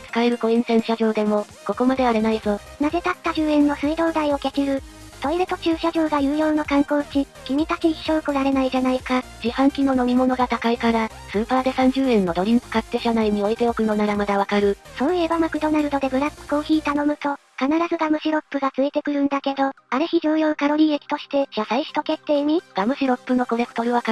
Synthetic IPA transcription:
t͡sɨ̥kaeɾɯ̟ko̞ẽɰ̃sẽ̞ɰ̃ɕaʑo̞ːd̪e̞mo̞ | ko̞ko̞mad̪e̞βaɾe̞naizo̞ | naze̞t̪at̪ːaʑɨːẽ̞nːo̞sɨid̪o̞ːd̪aio̞ke̞kʲiɾɯ̟ | t̪o̞iɾet̪o̞t͡ɕɨːɕaʑo̞ːɡajɯ̟ːjo̞ːnokãŋko̞ːt͡ɕi | kʲimʲit̪at͡ɕiːɕoɯ̟koɾaɾe̞naiʑanaikad͡ʑihãŋkʲino̞no̞mʲimo̞no̞ɡat̪akaikaɾa | sɨːpaːd̪e̞sãɲ̟d͡ʑɨːẽ̞nːo̞d̪o̞ɾʲiŋkɯ̥kat̪ːe̞ɕanaiɲ̟io̞it̪e̞o̞kɯ̟no̞naɾamad̪aβ̞akaɾɯ̟sõ̞nebamakɯ̟d̪o̞naɾɯ̟d̪o̞d̪e̞ɡɯ̟ɾakɯ̥ko̞ːçiːt̪ano̞mɯ̟t̪o̞kanaɾazɨɡamɯ̟ɕiɾo̞pːɯ̟ɡat͡sɨet̪e̞kɯ̟ɾɯ̟̃nd̪ake̞d̪o̞aɾɯ̟çid͡ʑɨːjo̞ːkaɾo̞ɾʲiːekʲi̥t̪o̞ɕi̥t̪e̞ɕasaiɕi̥t̪o̞ke̞t̪ːe̞ːɲ̟iɡ̥amɯ̟ɕiɾo̞pːɯ̟no̞koɾe̞kɯ̟̥t̪o̞ɾɯ̟βaka

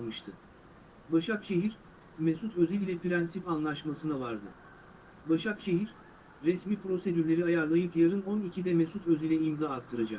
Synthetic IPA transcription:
mɯʃt̪ʰɯ | baʃakʃe̞ɦiɾ | mesut̪ʰøziilʲɛpiɾænsifanlˠaʃmasɯnavaɾd̪ɯ | baʃakʃe̞ɦiɾ | ɾɛsmiːpɾo̞se̞d̪yɾlʲe̞ɾiajaɾlˠajɯpjaɾɯnonicʰid̪ɛmesut̪ʰø̞zilʲɛimzaːkt̪ʰːɯɾad͡ʒak̚

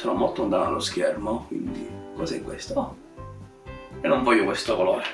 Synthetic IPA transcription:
sonɔmːolt̪ːond̪a̰ːt̪a̰lːoskɛrmokwḭnd̪ikɔsɛkːwḛst̪oɔ | ɛnːoɱvɔjːokwest̪okoloːɾe

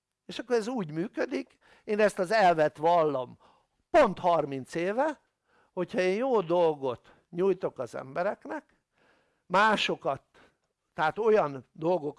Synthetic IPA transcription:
eːʃɒkːoɾɛzuːɟmyːkød̪ik | eːnɛst̪ɒzɛlvɛt̪ʋɒlːɒm | po̞nt̪hɒrmint̪seːvɛ | ho̞chɒeːnjoːd̪o̞lɡo̞t̪ | ɲujt̪o̞kɒzɛ̰mbɛɾɛknɛk | maːʃo̞kɒt̪ː | ɛaːt̪o̞jɒnd̪o̞lɡo̞k

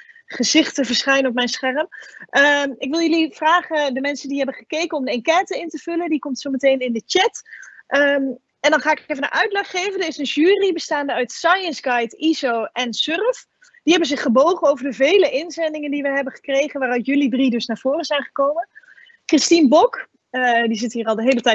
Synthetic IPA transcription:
χəzɪχtəvəɹsχɛjnɔp̬̚mɛjnsχɛrəmʔəɪkʋɪlˠjəlivraːχədəmɛnsəndiɦɛbənχəkejkənɔmdəɪnkɛtəɪntəv̥ɵləndikɔmtsomətejnɪndət͡ʃɛtʔə | ɛndɑnχaːɪkefvənə̰nʔœɥtlɛχːejvəndəɪsənʒyːribəstaːndəœɥtsɑjənzɡɑjtizowʔɛnsørəf | d̥iɦɛbənzɪχəbowχənowvəɹdəvejləʔɪnzɛndɪŋəndiʋɛjɦɛbəχə̥krejχənʋaːrœɥtjɵlidridɵsnaːɹv̥ʊːrəzɛjnχəkowmən | krɪstinbɔk | dizɪtɦiːrɑlˠdəɦejlətɛ

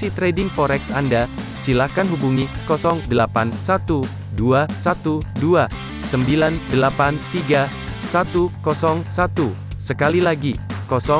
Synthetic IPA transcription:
sit̪ɾedɪŋfɔɾɛksandasilakanɦubuŋikɔsɔŋdəlapansat̪u | duasat̪udua | səmbilandəlapant̪iɡa | sat̪ukɔsɔŋsat̪u | səkalilaɡikɔsɔ

